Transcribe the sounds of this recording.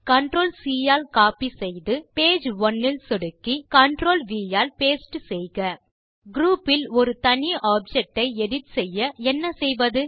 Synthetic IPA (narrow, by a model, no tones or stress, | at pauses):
kɐɳɖɾoːlsiːjaːlkaːpisɛjðɯpeːd͡ʒʋɔnːɪlsɔɽɯkːikɐɳɖɾoːlʋiːjaːlpeːsʈɯsɛjɣɐ | ɡɾuːpːɪlɔɾɯt̪ɐɳiʔaːb̚d͡ʒɛk̚ʈːɐɪɛɽɪʈsɛjːɐɛnːɐsɛjʋɐðɯ